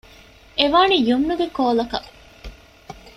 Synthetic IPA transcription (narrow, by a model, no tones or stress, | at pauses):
eʋaːnijumnuɡekoːlɐkɐ